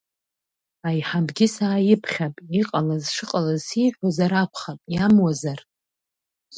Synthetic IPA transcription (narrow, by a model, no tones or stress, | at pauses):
ajħabɡʲɪsaːjɪpʰχʲapʼiqʼalazʂɨqʼalazsiħʷᶣozaɾakʷʰχapʼjamwazar